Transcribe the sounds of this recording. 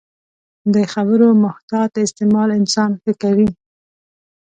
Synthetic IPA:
d̪əxabəɾomʊht̪ɑt̪ɪst̪ɪmɑlɪnsɑnfəkawi

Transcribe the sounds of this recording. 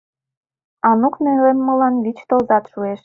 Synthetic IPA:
ɑnuknelemːɤ̆lɑnɡit͡ɕt̪ozɑt̪ʃueʃ

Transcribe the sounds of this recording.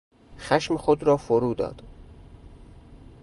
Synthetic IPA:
xæʃmexod̪ɾɒːfoɾuːd̪ɒ̰ːd̪̥

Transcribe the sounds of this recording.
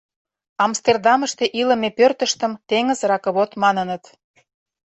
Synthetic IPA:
ɑmst̪erd̪ɑməʃt̪eʔilə̆mepørt̪əʃt̪ə̆mt̪eŋə̆zɾɑkə̆βot̪mɑnə̆nət̪

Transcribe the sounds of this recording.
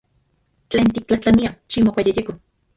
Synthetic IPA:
t͡ɬeːnt̪ik̚t͡ɬaht͡ɬaniat͡ʃimokʷajejeko

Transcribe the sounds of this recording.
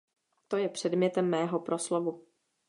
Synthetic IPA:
t̪o̞jɛpr̝̥ɛdmɲɛt̪ɛmːɛːɦo̞pɾʔo̞slovu

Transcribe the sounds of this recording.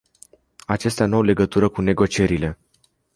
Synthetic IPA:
at͡ʃe̞st̪eanuawle̞ɡət̪uɾəkune̞ɡo̞t͡ʃie̞ɾile̞

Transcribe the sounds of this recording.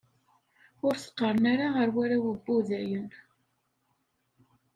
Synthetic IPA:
ʊɾθə̥qːəɾˤnaɾaəɾwæɾawəbːuðæjən

